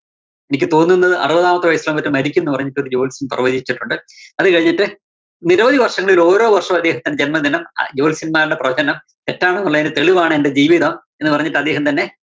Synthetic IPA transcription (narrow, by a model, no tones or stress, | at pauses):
e̞nikʲːɨt̪o̞ːnːunːɐðɨʔɐ̰rubɐðaːmɐt̪ːɨʋɐjɐslɐmpɐtːɨmɐɾikʲːumenːɨpɐrɐɲːiʈːoɾud͡ʑo̞ːlsinprɐʋɐd͡ʑit͡ɕːiʈːuɳɖɨɐðɨkɐɻiɲːiʈːɨ | niɾɐʋɐðiʋɐrʂɐŋːɐɭilo̞ːɾo̞ːʋɐrʂɐmɐd̪ːe̞ːɦɐmt̪ɐnːed͡ʑenmɐd̪inɐmd͡ʑo̞ːlsinmaːɾuɽeprɐɐt͡ɕɐnɐm | t̪e̞tːaːɳɐnːuɭːɐðinet̪e̞ɭiʋaːɳɨende̞d͡ʑiːʋiðɐmenːɨpɐrɐɲːiʈːɨɐd̪ːe̞ːɦɐmt̪ɐnːe̞